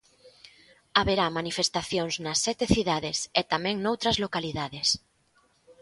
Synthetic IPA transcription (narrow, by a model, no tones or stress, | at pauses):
aβeɾamanifest̪aθjoŋznɐsːɛt̪eθiðaðeset̪amɛ̃ŋnowt̪ɾɐzlokaliðaðes